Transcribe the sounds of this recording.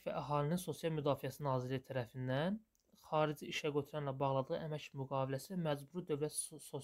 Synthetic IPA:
væ̰ʔæɦɑːlininso̞sjɑlˠmyd̪ɑːfijæsinɑːziɾlijit̪ʰæɾæfind̪æn | χɑːɾid͡ʒiiʃæɡøt̪ʰyɾænlæbɑʁlˠɑd̪ɯʁɯʔæmæcmyɡɑːvilæsimæd͡ʒbuɾid̪ø̞vlæt̪so

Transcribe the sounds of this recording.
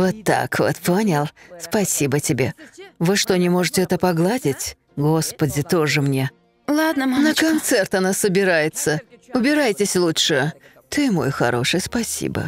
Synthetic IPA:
vot̪ːa̰kvo̰t̪ponʲɪlˠspɐsʲibətʲɪbʲe̞vɨʂt̪onʲɪmo̞ʐɨtʲɪɛt̪əpɐɡlˠadʲɪtʲ | ɡo̞spədʲɪt̪o̞ʐɨmnʲe̞ | lˠad̪nəmanəkɐnt̪sɛrt̪ɐnasəbʲɪɾajɪt̪səʊbʲɪɾajtʲɪsʲlˠutʂɨ | t̪ɨmo̞̰jxɐ̰ɾo̞̰ʂɨjspɐsʲḭbə̰

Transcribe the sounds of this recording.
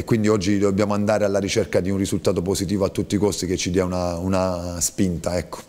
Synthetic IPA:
ekːwind̪iɔd͡ʒːid̪objaːmoand̪aːɾealːaɾit͡ʃerkad̪iunrisult̪aːt̪oposit̪iːvoat̪ːut̪ːikost̪ik̟et͡ʃːid̪iaunaunaspint̪aɛkːo̥

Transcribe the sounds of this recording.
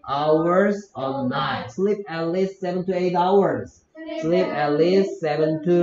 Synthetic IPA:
ʔaʊə˞zə̃nnaɪslɪp̚ætˡlɪstsɛvə̃ntueɪtaʊə˞z | slipætˡlɪstsɛvə̃ntʰu

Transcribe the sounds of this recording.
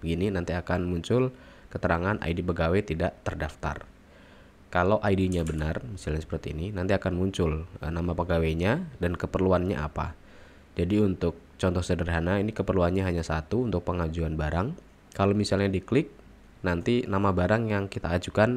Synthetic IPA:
əɡininant̪iakanmuɲt͡ʃʊl | kət̪əɾaŋanʔa̰idipəɡawet̪idaʔt̪ərdaft̪a̰r | kalowʔaidiɲabənarmisalɲasə̥pərt̪iːninant̪iakanmuɲt͡ʃʊlnamapəɡaweɲadankəpərluanɲa̰ʔa̰pa̰ | d͡ʒadiunt̪ʊk̚t͡ʃɔnt̪ɔhsədərɦanainikəpərluanɲaɦaɲasat̪uːnt̪ʊk̚pəŋad͡ʒuanbaɾaŋ | kalomisalɲadiklɪk̚ | nant̪inamabaɾaŋjaŋkit̪aːd͡ʒukan

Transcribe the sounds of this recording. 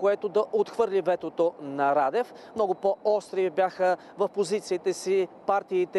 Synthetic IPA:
koɛt̪od̪ɐʔot̪xvɤɾlʲivɛt̪ot̪onɐɾad̪ɛf | mnɔɡʊpoɔst̪ɾibʲjaxə | vɐfpozit̪siːt̪ɛsipaɾt̪iːt̪ɛ

